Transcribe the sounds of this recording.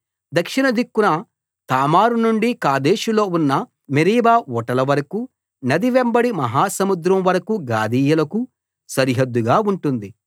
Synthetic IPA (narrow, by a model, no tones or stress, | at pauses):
d̪ɐkʂinɐd̪ikːunɐ | t̪aːmaːɾunuɳɖikaːd̪eːʃulo̞ːunːɐ | meɾiːbaːʋɔʈɐlɐʋɐɾɐku | nɐd̪iʋembɐɽimɐɦaːsɐmud̪ɾɐmʋɐɾɐkuɡaːd̪iːjɐlɐku | sɐɾiɦɐd̪ːuɡaːuɳʈund̪i